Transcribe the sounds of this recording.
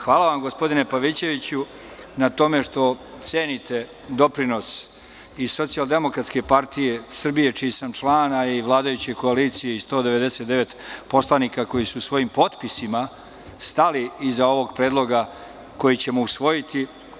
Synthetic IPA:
xʋaːlaʋamɡo̞spo̞d̪ine̞paʋit͡ɕe̞ʋit͡ɕu | nat̪o̞me̞ʂt̪o̞ | t̪se̞ːnit̪e̞ | d̪o̞pɾino̞s | iso̞t̪siald̪e̞mo̞kɾat̪ske̞paɾt̪ije̞sr̩bije̞t͡ʃiisamʈ͡ʂlaːnaiʋlaːd̪ajut͡ɕe̞ko̞aliːt̪sijeist̪o̞ːd̪eʋe̞d̪e̞set̪d̪e̞ʋe̞t̪po̞slˠanikako̞jisuːsʋo̞jimpo̞t̪pisima | st̪aliːzao̞ʋo̞ɡ̚pɾeːd̪lˠo̞ɡa | ko̞jit͡ɕe̞mousʋo̞jit̪i

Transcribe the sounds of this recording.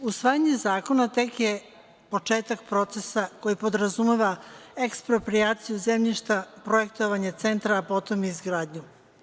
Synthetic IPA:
usʋaːjaɲe̞zaːko̞nat̪e̞kje | po̞t͡ʃe̞ːt̪akpɾo̞t̪se̞sako̞jipo̞d̪ɾazumeʋaekspɾo̞pɾijaːt̪sijuzemʎiʃt̪apɾo̞je̞k̚t̪o̞ʋaɲat̪se̞nt̪ɾaːpo̞t̪o̞mizɡɾaːd̪ɲu

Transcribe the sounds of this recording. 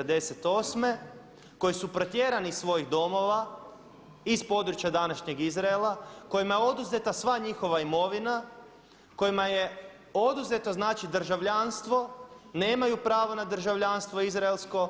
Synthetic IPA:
d̪e̞set̪o̞ːsme̞ | ko̞jisupɾo̞t̪je̞ɾanisʋo̞jiɣd̪o̞mo̞ʋa | ispo̞d̪ɾut͡ʃjad̪anaʃɲe̞ɡizɾaelˠako̞jimajeo̞d̪uze̞t̪asʋaɲixo̞ʋaimo̞ʋina | ko̞jimaje̞ | o̞d̪uze̞t̪oznaːt͡ʃid̪r̩ʒaʋʎanst̪ʋo̞ne̞ːmajupɾaːʋonad̪r̩ʒaʋʎanst̪ʋo̞izɾaelˠsko̞

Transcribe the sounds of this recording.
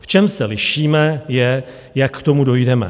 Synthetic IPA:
ft͡ʃɛmsɛlɪʃiːmɛjɛ | jakːt̪o̞mudo̞jdɛmɛ̰

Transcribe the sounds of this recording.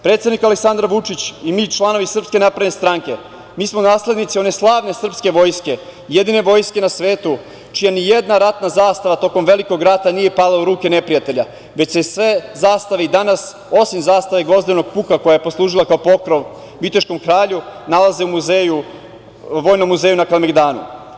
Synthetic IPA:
pɾet̪sed̪nikaleksand̪ɾaʋut͡ʂit͡ɕimiːt͡ʃlˠano̞ʋisr̩pske̞napɾadnest̪ɾaŋke̞ | miːsmonaːsle̞d̪nit̪sione̞slˠaːʋne̞sr̩pske̞ʋo̞jske̞jed̪ine̞ʋo̞ːjske̞nasʋe̞ːt̪u | t͡ʃijanijed̪naɾat̪nazaːst̪aʋat̪o̞ko̞mʋe̞liko̞ɡɾat̪anije̞palˠauɾuːke̞nepɾijat̪e̞ʎa | ʋe̞t͡ɕsesʋe̞zaːst̪aʋeid̪anas | o̞simzaːst̪aʋe̞ɡo̞zd̪ino̞ɡ̚puːkako̞jajepo̞slˠuːʒilakaopo̞kɾo̞ʋ | ʋit̪iʃko̞mkɾaːʎunalaze̞umuzeju | ʋo̞ːjnomːuzejunakalmeɡd̪aːnṵ

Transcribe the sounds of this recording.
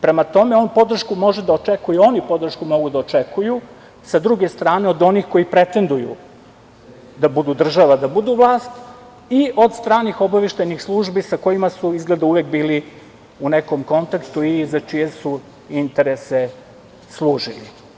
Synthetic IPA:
pɾe̞mat̪o̞meo̞nupo̞d̪r̩ʃkumo̞ʒed̪aot͡ʃekujeo̞nipo̞d̪r̩ʃkumo̞ɡud̪aot͡ʃekʰuju | sad̪ɾuɡest̪ɾaːneo̞d̪o̞nixko̞jipɾe̞t̪e̞nd̪ujṵ | d̪abud̪ud̪r̩ʒaʋad̪abud̪uʋlˠaːst̪ | iʔo̞d̪st̪ɾaːnixo̞baʋeʃt̪ajnixslˠuʒbisako̞jimasuizɡled̪auʋekbiːli | uneko̞mko̞nt̪akt̪uizat͡ʃije̞su | int̪eɾese | slˠuːʒilḭ

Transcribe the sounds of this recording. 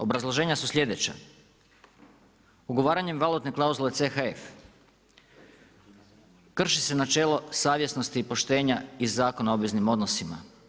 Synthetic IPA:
o̞bɾazlˠo̞ʒe̞ːɲasusʎʲe̞d̪e̞t͡ɕa̰ | uɡo̞ʋaːɾaɲe̞mʋalˠut̪ne̞klˠauzule̞tse̞xaef | kr̩ʃise̞nat͡ʃe̞ːlˠo̞saːʋje̞sno̞st̪iːpo̞ʃt̪e̞ːɲaizaːko̞naobʋiznimo̞d̪no̞sima̰

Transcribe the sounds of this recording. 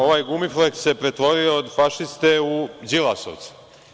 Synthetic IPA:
o̞ʋaːjɡumiflek̪sepɾe̞t̪ʋo̞ɾioːd̪faʃist̪eud͡ʒilˠaso̰ʋt̪su̥

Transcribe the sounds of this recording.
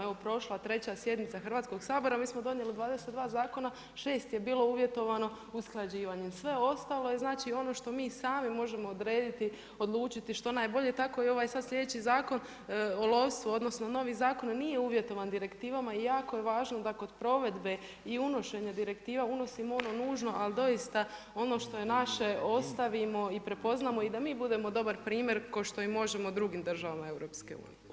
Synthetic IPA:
eʋopɾo̞ʃlˠat̪ɾe̞t͡ɕasje̞d̪nit̪saxr̩ʋaːt̪sko̞ɡsaːbo̞ɾamiːsmod̪o̞nje̞lid̪ʋaːd̪eset̪d̪ʋaːzaːko̞na | ʃe̞ːst̪je̞biːlˠo̞uːʋje̞t̪o̞ʋano̞ | usklˠad͡ʑiːʋaɲemsʋe̞o̞st̪alˠo̞jeznaːt͡ʃio̞no̞ʃt̪o̞miːsaːmimo̞ʒe̞mo̞ːd̪ɾe̞ːd̪it̪i | o̞d̪lˠuːt͡ʃit̪iʃt̪o̞naːjbo̞ʎe̞t̪ako̞io̞ʋajsad̪sʲʎʲe̞d̪et͡ɕizaːko̞n | olˠo̞ʋst̪ʋuo̞d̪nosnono̞ʋizaːko̞nnije̞uːʋje̞t̪o̞ʋand̪iɾe̞kt̪iːʋamaijaːkoje̞ʋaːʒnod̪ako̞d̪pɾo̞ʋe̞d̪be̞ | iuno̞ʃe̞ɲad̪iɾe̞kt̪iːʋauno̞simoo̞no̞nuːʒno̞ʔald̪o̞jist̪a | o̞no̞ːʃt̪o̞je̞naʃe̞o̞st̪aʋimo̞ipɾe̞po̞znaːmo̞id̪amiːbud̪e̞mo̞d̪o̞baɾpɾiːmje̞ɾkoʃt̪o̞imːo̞ʒe̞mod̪ɾuɡimd̪r̩ʒaʋamae̞wɾo̞ːpske̞̰ṵːnḭje

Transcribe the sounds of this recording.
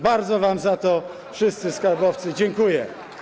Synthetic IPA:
baɾd̪zɔvamzat̪ɔ | fʂɘst̪sɘskaɾbɔft̪sɘd͡ʑɛŋkujɛ

